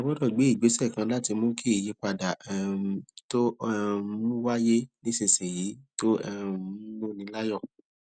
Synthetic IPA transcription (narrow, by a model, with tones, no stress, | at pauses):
a˨˧bɔ˦dɔ˦˨ɡ͡be˨˦i˦˨ɡ͡be˨˦sɛ˦˨kã˧˦la˦ti˧mõ˦ke˦i˦˨je˨˧k͡pa˧˨da˨to˦˧˦ | mũ˦wa˦je˦nĩ˦se˧˨se˨ji˨˦to˦ɛ˦mo˦nĩ˧˦la˦jɔ˦˨